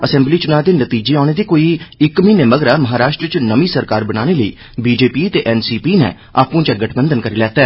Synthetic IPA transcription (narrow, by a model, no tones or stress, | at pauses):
əsɛ̃ːmbliːt͡ʃʊnaːd̪eːnət̪iːd͡ʒeːaːɽ̃eːd̪iːkoːiːɪkmĩːneːməɡɾaːməɦaːɾaːʃʈɾət͡ʃnəmiːsəɾkaːɾbəñaːɽ̃eːləḭː | biːd͡ʒeːpiːət̪eːʔɛːnsiːpiːnɛ̰ː | a̰ːpũːt͡ʃəɡəʈʰbənd̪ənkəɾiːlɛːt̪ɛː